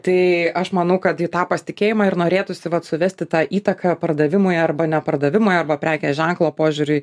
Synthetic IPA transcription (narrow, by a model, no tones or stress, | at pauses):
t̪ɐɪɐʃmɐnɐʊkɐt̪ɪt̪ɑːpɐsʲt̪ʲɪkʲeːjɪmɑɪɾnoːɾʲeːt̪ʊsʲɪʋɐt̪sʊʋʲɛsʲt̪ʲɪt̪ɑːʔiːt̪ɐkʰɐpɐrd̪ɐʋʲɪmʊjɐrbɐnʲɛpɐrd̪ɐʋʲɪmʊjɐrbɐpʲɾʲæːkʲɛːʒʲɛŋklˠoːpoːʒʲʊɾʲʊɪ